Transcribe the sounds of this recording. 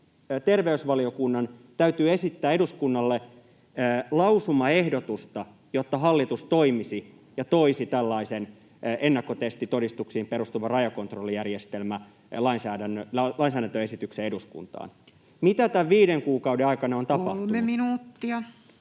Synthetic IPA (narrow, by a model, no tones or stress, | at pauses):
t̪erʋeysʋɑlio̞kunːɑnt̪æyt̪yːe̞sit̪ːæːeduskunːɑlːe | lɑwsumɑe̞hdot̪ust̪ɑ | jot̪ːɑɦɑlːit̪ust̪oimisi | jɑt̪oisit̪ælːɑisen | ʔenːɑkːo̞t̪est̪it̪odist̪uksiːmpeɾust̪uʋɑrɑjɑko̞nt̪rolːijærjest̪elmæ | lɑinsæːdænːølɑinsæːdɾænt̪øesit̪ykseeduskṵnt̪ɑ̰ːn | mit̪æt̪æʋʋiːɾeŋkuːkɑudeɑikɑnɑont̪ɑpɑ̰ht̪umenuminuːt̪ːiɑ